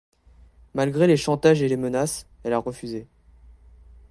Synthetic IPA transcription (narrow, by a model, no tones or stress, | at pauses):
malɡʁeleʃɑ̃t̪aʒelemənas | ɛlaʁəfyze